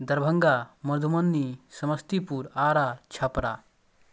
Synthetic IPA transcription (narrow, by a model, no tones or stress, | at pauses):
d̪ʱɐɾbʱəŋɡamɐɾd̪ʱumɐnːisəməst̪ipuːɾaɾat͡ɕʰapɾa